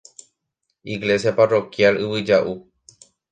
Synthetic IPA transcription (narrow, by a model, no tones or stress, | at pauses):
iɡle̞sjaparo̞kjalɨʋɨd͡ʒaʔu